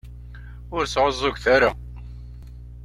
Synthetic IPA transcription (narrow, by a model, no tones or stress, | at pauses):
ʊɾsʕəzˤːʊɡθæɾa